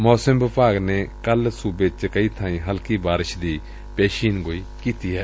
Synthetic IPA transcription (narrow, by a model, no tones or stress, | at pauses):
moːsəmbɪpaːɡneːkəlsuːbeːt͡ʃkəiːt̪ʰãːĩːɦəlkiːbaːɾɪʃd̪iː | pɛːʃiːnɡoːiːkiːt̪iːɦɛː